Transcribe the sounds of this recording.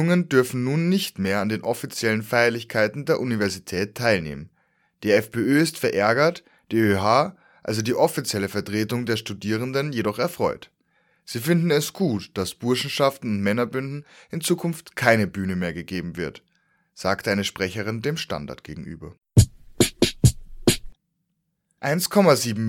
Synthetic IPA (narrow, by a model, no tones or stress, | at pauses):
ʊŋəndʏɐfn̩nuːnːɪçtmeːɐandeːnʔɔfit͡sjɛlənfaɪɐlɪçkʰaɪtn̩deːɐʔunivɛɐzitʰɛːtʰːaɪlnḛːmən | d̥iːɛfbeːøːɪstfɛɐʔɛɐɡɐt | d̥iːøɦaː | ʔa̰lzodiːʔɔfit͡sjɛləfɛɐtʁ̥eːtʊŋdeːɐʃtudiːʁ̞əndənjedɔχɛɐfʁ̥ɔ̰ʏt | z̥iːfɪndn̩ɛsɡ̥uːtd̥asb̥ʊɐʃn̩ʃaftn̩ʊntmɛnɐbʏndn̩ʔɪnt͡suːkʰʊnftkʰaɪnəbyːnəmeːɐɡəɡeːbm̩vɪɐt | z̥aːktʔaɪnəʃpʁ̥ɛçəʁ̞ɪndeːmʃta̰nda̰ɐtɡ̥ḛːɡŋ̩ʔy̰ːbɐ̰ | ʔaɪnskʰɔmaziːbm̩